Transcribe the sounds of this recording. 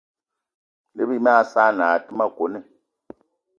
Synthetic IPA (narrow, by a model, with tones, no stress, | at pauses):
le˦βi˦m˦a˦saː˦na˨ti˦ma˦ko˨˦ne˦˨